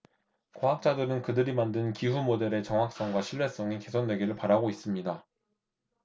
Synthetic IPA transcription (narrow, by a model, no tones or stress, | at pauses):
koɦak̚t͡ɕ͈adɯɾɯnkɯdɯɾimandɯnkiɦumode̞ɾe̞t͡ɕʌŋɦak̚s͈ʌŋɡwaɕʰiɭːe̞s͈ʌŋike̞sʰonːwe̞ɡiɾɯɭpaɾaɡois͈ɯmɲida